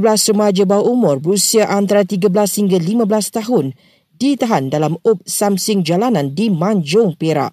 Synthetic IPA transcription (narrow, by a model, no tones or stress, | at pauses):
blasrəmad͡ʒabawaʔumʊ̃rbəɾusiaʔant̪aɾat̪iɡablashiŋɡalimãbəlast̪aɦʊn | dit̪aɦandalamʊp̚samsʊŋd͡ʒalanãndimãɲd͡ʒʊŋpeɾa̰ʔ